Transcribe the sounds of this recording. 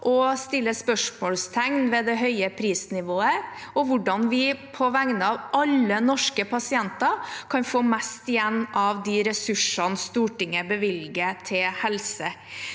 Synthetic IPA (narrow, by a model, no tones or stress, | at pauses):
ʔɔst̪ɪlːəspœʂmoːlst̪ʰæŋnʋɛːd̪ɛɦœʏəpʰɾiːsnɪʋoːəɔʋʊɖɑnʋɪpʰɔʋæŋnəɑʋʔɑlːənɔʂkəpɑsɪɛnt̪ɑkʰɑnfoːmɛst̪ɪjɛnːɑʋd̪ɪɾɛsʉʂɑnst̪uːʈɪŋəbəʋɪlɡət̪ʰɪlhɛlsə